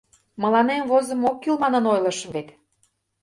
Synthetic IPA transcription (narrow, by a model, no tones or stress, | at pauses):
mə̆lɑnemvozə̆mokːylmɑnɤ̆nojlɤ̆ʃəβet̪